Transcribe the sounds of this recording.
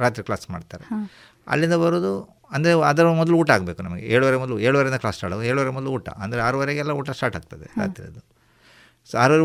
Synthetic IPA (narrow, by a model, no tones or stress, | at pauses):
ɾaːt̪ɾikɭaːsma̰ːɖt̪aːɾe | ɐ̰lːind̪ɐbɐɾoːd̪u | ɐnd̪ɐɾeɐd̪ɐɾɐmɔd̪ɐluuːʈɐaːɡbe̞ːkunɐmɐɡeʔeːɭuʋɐɾemɔd̪ɐlueːɭuʋɐɾeind̪ɐklaːsʈaːɽɐeːɭuʋɐɾemɔd̪ɐluuːʈɐ̰ɐnd̪ɐɾeaːɾuʋɐɾeɡɛlːɐuːʈɐsʈaːɾʈaːɡ̚t̪ɐd̪eʔa̰ːt̪ɾḭɐd̪u | soaːɾuʋɐɾe